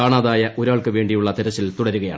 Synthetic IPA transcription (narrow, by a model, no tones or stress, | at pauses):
aːɳaːðaːjɐʔo̞ɾaːɭkɨʋe̞ːɳɖijuɭːɐt̪eɾɐt͡ɕːilt̪uɽɐɾuɣɐja̰ːɳ